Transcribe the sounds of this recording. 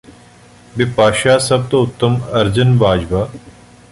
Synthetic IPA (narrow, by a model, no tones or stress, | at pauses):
bɪpaːʃaːsɐb̚t̪oʊt̪ːəmɐɾd͡ʒənbaːd͡ʒbaː